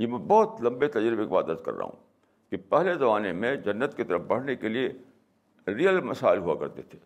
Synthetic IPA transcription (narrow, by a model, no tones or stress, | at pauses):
jemɛ̃bɔːt̪lɐ̃mbet̪ɐd͡ʒɾibekeba̰ːd̪əɾzkɐ̰ɾːa̰ːɦṵ̃ | kipɛɦlezɐmaːnemẽd͡ʒɐnːət̪kit̪ɐɾəfbɐɽ̤nekelie | ɾijəlmɐsa̰ːɪlɦua̰kɐ̰ɾt̪et̪ʰe̥ː